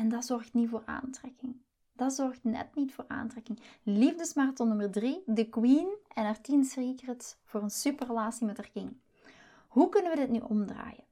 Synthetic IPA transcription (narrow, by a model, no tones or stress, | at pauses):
ɛndɑzɔrxtnivoːra̰ːntrɛkɪŋ | d̥ɑzɔrxtnɛ̰tnitfoːra̰ːntrɛkɪŋlivdəsmartɔnɵmərdridəkwinɛnartinsrikrətsv̥oːrənsypərəlaːsimɛtərkɪŋ | ɦukɵnəʋədɪtnyʔɔmdra̰ːjən